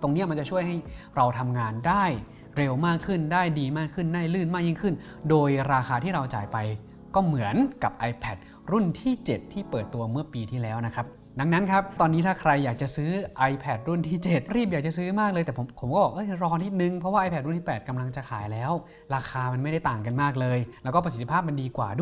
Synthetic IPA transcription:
t̪o˧ŋni˦˥ɐma˧t͡ɕa˨˩t͡ɕʰu˥˩əjɦa˥˩jɾa˧wt̪ʰa˧mŋaː˧ndaː˥˩j | ɾe˧wmaː˥˩kʰːɯ˥˩ndaː˥˩jdiː˧maː˥˩kʰːɯ˥˩ndaː˥˩jlɯː˥˩nmaː˥˩ji˥˩ŋkʰɯ˥˩n | doː˧jɾaː˧xaː˧t̪ʰiː˥˩ɾa˧wt͡ɕa̰ː˨˩jpa˧j | kɔː˥˩mɯ˩˦ənka˨˩p̚ʔa˧jpʰɛː˨˩t̪̚ | ɾu˥˩nt̪ʰiː˥˩t͡ɕe˨˩t̪ʰːiː˥˩pɤː˨˩t̪ːu˧ɐmɯ˥˩ɐpiː˧t̪ʰiː˥˩lɛː˦˥wna˦˥kʰɾa˦˥p̚ | da˧ŋna˦˥nkʰa˦˥p̚t̪ɔː˧nːiː˦˥t̪ʰaː˥˩kʰɾa˧jːaː˨˩k̚t͡ɕa˨˩sɯː˦˥ʔa˧jpʰɛː˨˩t̪̚ɾu˥˩nt̪ʰiː˥˩t͡ɕe˨˩t̪̚ɾiː˥˩pja˨˩k̚t͡ɕa˨sɯː˦˥maː˥˩kləɤː˧jt̪ɛː˨˩pʰo˩˦mpʰo˨˩˦mkɔː˥˩bɔː˨˩k̚ʔɤ˦˥˩jɾɔː˧t̪ʰi˦˥t̪̚nɯ˧ŋpʰɾɔ˦waː˥˩ʔa˧pʰɛː˥˩t̪̚ɾu˥nt̪ʰiː˥˩pɛː˨˩t̪̚ka˧mla˧ŋt͡ɕa˨˩kʰaː˩˦jlɛː˦˥w | ɾaː˧xʰaː˧ma˧nm˥˩jda˥˩jt̪aː˨˩ŋka˧nmaː˥˩k̚lɤː˧jlɛ˦˥kɔː˥˩pa˧si˨˩t̪ʰːi˧pʰaː˥˩p̚ma˧ndiː˧kwa̰ː˨˩du˥˩

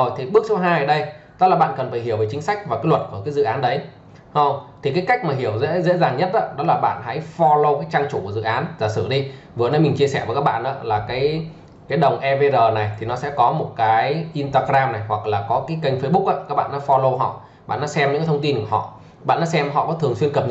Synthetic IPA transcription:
zo˨˩jt̪ʰi˨˩ɓɨ˦˥ək̚so˨˦ɦaː˧jəː˨˧˩ɗə˧jt̪ə˦˥t̚laː˨˩ɓa̰ː˧˨nkə˨˩nfaː˧˩jɦi˧˩əwvə˨˩t͡ɕi˨˦ŋsa˦˥jk̟̚vaː˨˩wkaː˨˦jlwə˨˩t̚ku˧˩əkaː˨˦jzɨ̰˧˨ʔaː˨˦nɗə˨˦j | ho˧t̪ʰi˨˩kaː˨˦jka˦˥jk̚maː˨˩ɦi˧˩əwzḛ˧˥zḛ˧˥zaː˨˩ŋɲə˦˥t̚ʔa̰ː˧˦ɗɔ˨˦laː˨˩ɓa̰ː˧˨nha̰˧˥jfɔ˧lo˧kaː˨˦jt͡ɕaː˧ŋt͡ɕu˧˩ku˧˩zɨ̰˧˨ʔaː˨˦nzaː˨˩sɨ̰˧˩˨ɗi˧ | vɨ˨˩ənə˨˦mi˨˩ŋ̟t͡ɕi˧əsɛ˧˩vəː˨˦kaː˦˥k̚ɓ̰a̰ː˧˨nʔaː˨˦laː˨˩kaː˨˦j | kaː˨˦jɗə˨˩wŋ͡mʔɛ˧ve˧zəː˨˩na˨˩jt̪ʰi˨˩nɔ˨˦sɛ̰˧˥kɔ˨˦mo˨˩t̚kaː˨˦jʔi˧nt̪aː˧ɣɾaː˧mna˨˩jhwa˨˩k̚laː˨˩kɔ˨˦kaː˨˦jkə˧jŋ̟fə˨˧˦jɓʊ˦˥k̚ʔa̰ː˧˦kaː˦˥k̚ɓa̰ː˧˨nːʔa˨˦fɔ˧lo˧ɦɔ̰˧˨ | ɓa̰ː˧˨nːaː˧˦˥sɛ˧mɲ̰˧˥ka˨˦t̪ʰə˧ŋ͡mt̪i˧nku˧˩əɦɔ̰˧˨ | ɓa̰ː˧˨naː˨˦˥sɛ˧mɦɔ̰˧˨kɔ˨˦t̪ʰəŋswi˧ənkə˨˩p̚ɲ

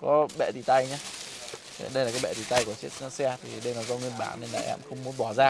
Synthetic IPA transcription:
kɔ˨˦ɓɛ̰˧˨t̪i˨˧˩t̪a˧jɲaː˧˦˨ | ɗə˧jlaː˨˩kaː˨˦jɓɛ̰˧˨t̪i˧˩t̪a˧jku˧˩ət͡ɕi˦˥t̚nɔ˨˦sɛ˧t̪ʰi˨˩ɗə˧jnɔ˨˩zɔ˧ŋwi˧nɓa̰ː˧˩nːe˧nla̰ː˨˩ʔɛ̰˧˥˨mxə˧wŋ͡mmu˨˦nɓɔ˧˩zaː˧

